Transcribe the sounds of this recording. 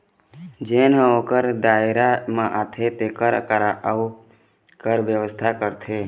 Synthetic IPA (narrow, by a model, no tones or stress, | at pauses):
d͡ʒenə̃oːkəɾd̪aːɪɾamãʔat̪ʰet̪ekəɾkəɾaʔu | kəɾʋjəʋəst̪ʰakəɾt̪ʰe